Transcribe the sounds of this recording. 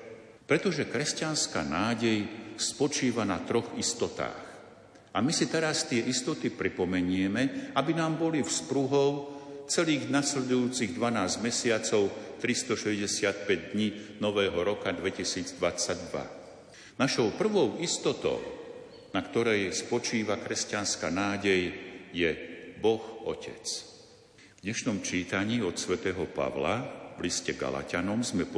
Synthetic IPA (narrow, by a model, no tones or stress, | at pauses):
pɾɛt̪ɔʒɛkɾɛscanska̰ːnaːɟɛjspɔt͡ʃiːʋana̰t̪ɾɔɣist̪ɔt̪a̰ːx | ʔamisit̪ɛɾast̪ɪɛʔist̪ɔt̪ipɾipɔmɛɲɪɛmɛabinaːmbɔlifspɾuɦɔʊt͡sɛliːɣnaslɛd̪ujuːt͡siɣd̪ʋanaːzɟmɛsɪat͡sɔʊt̪ɾist̪ɔʃɛzɟɛsɪat̪̚pɛɟd̪ɲinɔʋɛːɦɔɾɔkad̪ʋɛcisiːd͡zd̪ʋat͡saɟd̪ʋa̰ | naʃɔʊpr̩ʋɔʊist̪ɔt̪ɔ̰ʊ | nakt̪ɔɾɛjspɔt͡ʃiːʋakɾɛscanskanaːɟɛjjɛbɔxɔcʰɛ̰t͡s | vd̪ɲɛʃnɔmt͡ʃiːt̪aɲiːɔt̪sʋɛt̪ɛːɦɔpa̰ʋla̰ʋliscɛɡa̰la̰canɔmzmɛp